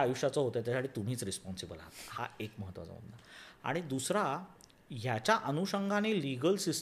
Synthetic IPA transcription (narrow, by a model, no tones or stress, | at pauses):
ajuɕat͡sɔɦot̪at̪jasaʈit̪um̤iːt͡sɾispɔnsibəla̰ɦt̪aha̰ekməɦət̪ːʋa̰t͡sa̰bə̰mnaa̰ɽ̃id̪usɾa | jat͡ɕjaʔənuɕəŋɡʱaneliɡəlsis